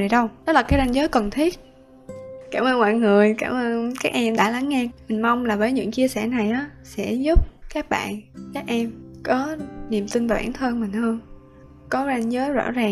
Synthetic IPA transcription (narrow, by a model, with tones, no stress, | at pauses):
i˨˩ɗə˧wɗɔ˨˦laː˨˩kaː˨˦jza˧nzəː˨˦jkə˨˩nt̪ʰi˦˥ət̚ | kaː˧˩mʔəː˧nma̰ː˧˨jŋɨ˨˩əjkaː˧˩mʔəː˧nkaː˦˥k̚ʔɛ˧mɗa̰ː˧˥la˨˦ŋːɛ˧mï˨˩ŋ̟ma˧wŋ͡mlaː˨˩vəː˨˦jɲɨ̰˧˥ŋt͡ɕi˧əsɛ˧˩na˨˩jʔaː˨˦sɛ̰˧˥zu˦˥p̚kaː˦˥k̚ɓa̰ː˧˨nkaː˦˥k̚ʔɛ˧mkɔ˨˦ni˨˩əmt̪i˧n̟vaː˨˩wʔa̰ː˧˩nt̪ʰəː˧nmï˨˩ŋ̟həː˧n | kɔ˨˦za˧nzəː˨˦jzɔ̰˧˥zaː˨˩